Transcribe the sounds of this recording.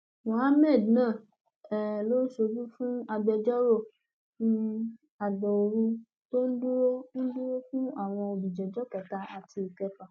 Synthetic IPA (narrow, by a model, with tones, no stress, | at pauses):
mɔ̃˨ha˦mɛ˦˨dnãː˦˨ | ɛ˨lo˦ʃo˧d͡ʒu˦fũ˦a˧ɡ͡bɛ˧d͡ʒɔ˦ɾo˦˨ | nũ˦ | a˨dɔ˨o˨ɾũ˧ | to˦n̩˦du˦ɾo˦n̩˦du˦ɾo˦fũ˦a˦˨w̃ɔ̃˧o˧bi˨d͡ʒɛ˨d͡ʒɔ˨˦ka˨ta˧a˨tʰi˧i˨kɛ˧pa˨